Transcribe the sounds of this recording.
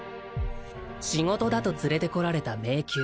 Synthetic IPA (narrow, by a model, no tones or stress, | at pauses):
ɕiŋo̞t̪o̞d̪at̪o̞t͡sɨɾe̞t̪e̞ko̞ɾaɾe̞t̪ame̞ːkʲɨː